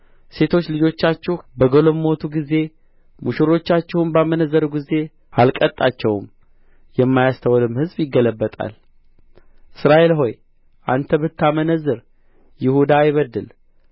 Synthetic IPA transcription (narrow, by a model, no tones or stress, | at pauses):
se̞t̪ʰo̞t͡ʃːlɨd͡ʒo̞t͡ʃːat͡ʃːɛbəɡolommːo̞t̪ʰuɡize̞ | muʃɪɾo̞t͡ʃːat͡ʃːɛwnbamənəzːəɾɡize̞ | alkʼət̪ʼːat͡ʃːɛwm | jɛmːajast̪ʰəwlɨmhɨzbjɪɡːələbːət̪ʼa̰l | ʔɨsɾaʔe̞lɦo̞j | ʔant̪ʰəbɨt̪ːamənəzːɨɾ | jɪhud̪ajɪβəd̪ːɨl